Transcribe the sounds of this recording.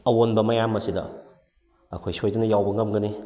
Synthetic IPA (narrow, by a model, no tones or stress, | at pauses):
ɐwonbɐmɐjamːɐsidɐ̰ | ɐ̰kʰojsihojdunɐjawbɐŋɐmɡɐni